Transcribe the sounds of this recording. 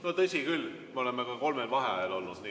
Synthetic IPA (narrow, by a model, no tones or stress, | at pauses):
not̪ɤsʲikyl | meolemːekɑko̞lmelvɑɦeɑjɑlo̞lnud̪̥ni